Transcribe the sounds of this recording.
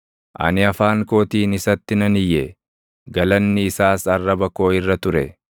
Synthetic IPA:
ʔɐ̰nɪɐfaːŋko̞ːt̪iːnɪsɐt̪ːɪnɐnɪjːɛ | ɡɐlɐnːɪɪsaːsɐrːɐbɐko̞ːɪrːɐt̪ʊɾɛ

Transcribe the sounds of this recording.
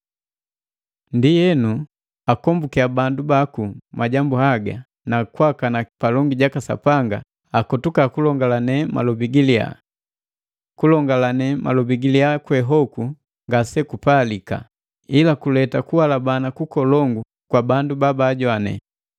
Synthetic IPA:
ndijɛnu | akɔmbukiabandubakumaɟambuhaɡa | nakwakanapalɔŋɡiɟakasa̰paŋɡaː | kɔtukakulɔŋɡalanɛmʔa̰lɔbiɡilia̰ | kulɔŋɡalanɛmʔa̰lɔbiɡiliakwɛɦɔku | ŋɡasɛkupalika̰ | ilakulɛtakuwalabanakukɔlɔŋɡu | kwabandubabaːɟwanɛ̰

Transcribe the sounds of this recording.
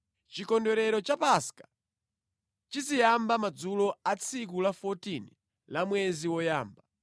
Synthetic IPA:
t͡ʃikɔndɔɾɛɾɔt͡ʃapaskḁ | t͡ʃizijambamad͡zulɔat͡sʰik̬ulafɔtini | lamwɛziwɔjaːmba

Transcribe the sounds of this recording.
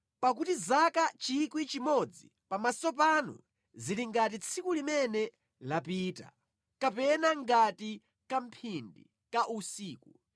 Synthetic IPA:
pak̬utizakat͡ʃikwit͡ʃimɔd͡zḭ | pamasɔp̬anṵ | ziliŋɡat̬it͡sʰikulimɛnɛ | lapiːta̰ | kapɛnaŋɡati | kam̩pʰindḭ | kaʔusiːku

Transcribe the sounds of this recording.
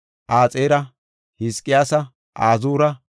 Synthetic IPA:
ʔaːt͡sʼeːɾɐ | hɪskʼːɪjaːsɐ | ʔaːzuːɾɐ

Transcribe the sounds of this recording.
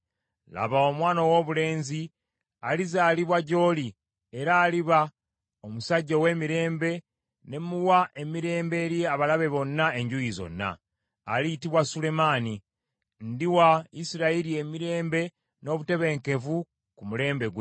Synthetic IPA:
la̰βao̞mwaːnowo̞ːβule̞ːnzi | alizaːliβwaɟo̞ːli | e̞ɾaːliβa | omusaɟːowe̞ːmiɾe̞ːmbe̞ | ne̞muwaʔe̞miɾe̞ːmbe̞ːɾjeaβalaβe̞βo̞nːae̞ɲɟujizo̞̰nːa̰ː | litiβwasule̞mani | ndiwaisiɾaiɾie̞miɾe̞ːmbe̞ | no̞ːβute̞βe̞ŋke̞vu | kumule̞ːmbe̞ɡw

